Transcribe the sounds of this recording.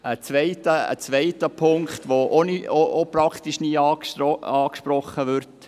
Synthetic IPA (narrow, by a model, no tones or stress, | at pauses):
ət͡sʋɛɪtəə̰t͡sʋɛɪtːəpʰʊŋkχt̪ʋoʔonioʔopɾɑkχt̪iʃniːɑːkʃɔɑːkʃpɾɔχːəʋʏɾt